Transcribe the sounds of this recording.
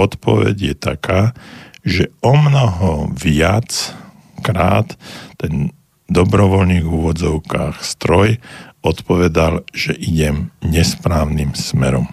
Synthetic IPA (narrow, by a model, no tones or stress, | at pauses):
ɔt̪pɔ̰ʋɛ̰ɟjɛt̪akaːʒɛɔmnɔɦɔʋɪat͡s | kɾa̰ːt̪ːɛn | d̪ɔbɾɔʋɔlniːɣuʋɔd͡zɔʊkaːxst̪ɾɔjɔt̪pɔʋɛd̪alʒ̥ɛʔiɟɛmɲɛspɾaːʊnimsmɛ̰ɾɔ̰m